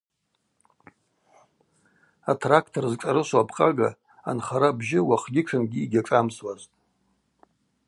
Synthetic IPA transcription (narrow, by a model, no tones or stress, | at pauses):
atʰrakʰtʰorzʈ͡ʂʼaɾɨʃʷapʰʼqʼaɡa̰ | a̰nχaɾabʒɪwaχɡʲɪʈ͡ʂʷʰɨnɡʲiːɡʲaʈ͡ʂʼamswaztʼ